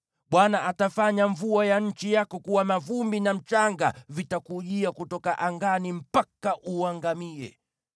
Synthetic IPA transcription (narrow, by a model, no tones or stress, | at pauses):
ɓwanaʔatafaɲaɱvuajaɲ̩t͡ʃijakɔkuwamavumbinam̩t͡ʃaŋɡa̰vitakuʄiakutɔkaʔaŋɡanim̩pakaʔuaŋɡamiɛ̰